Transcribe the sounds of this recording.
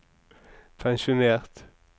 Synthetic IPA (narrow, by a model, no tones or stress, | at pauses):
pʰæŋʃʊneːʁt̪